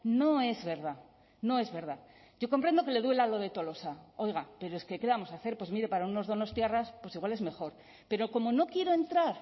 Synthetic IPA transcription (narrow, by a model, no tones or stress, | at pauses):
no̞e̞zβe̞ɾða | no̞e̞zβe̞ɾða | ɟ͡ʝo̞ko̞mpɾe̞nd̪o̞ke̞le̞ðwe̞lalo̞ðe̞t̪o̞lo̞sao̞jɣape̞ɾoeske̞kamo̞saθe̞ɾpwemiɾe̞paɾauno̞zðo̞no̞st̪jeraspwe̞siɣwale̞zme̞xo̞ɾ | pe̞ɾo̞ko̞mo̞no̞kje̞ɾo̞e̞nt̪ɾaɾ